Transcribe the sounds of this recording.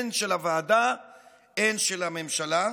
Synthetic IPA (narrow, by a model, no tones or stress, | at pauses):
nʃelavaːda | enʃelame̞mʃala